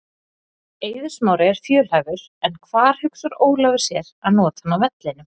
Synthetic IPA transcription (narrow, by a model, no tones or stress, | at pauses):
eːjðʏ̥smaːwɾɪɛɾ̥fjœːl̥havʏɾ̥ | ɛnkʰvaːɾ̥hʏksʏɾoːwlœvɪ̥sjɛɾaðnɔːt̪anavɛt̪lɪnʏ